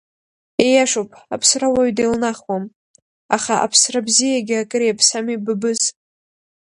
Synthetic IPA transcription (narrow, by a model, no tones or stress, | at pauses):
ejaʂowpʼa̰pʰsrawaɥdejlnaχwam | aχaʔa̰pʰsrabzijaɡʲɪakʼɨɾeapʰsamibɨbɨz